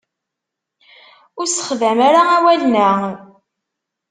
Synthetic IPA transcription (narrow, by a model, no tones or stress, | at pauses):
ʊɾsə̥χðæmaɾaæwælnə